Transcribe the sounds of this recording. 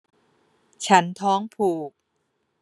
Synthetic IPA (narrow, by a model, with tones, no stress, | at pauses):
t͡ɕʰa˦˥nt̪ʰɔː˦˥ŋpʰuː˨˩k̚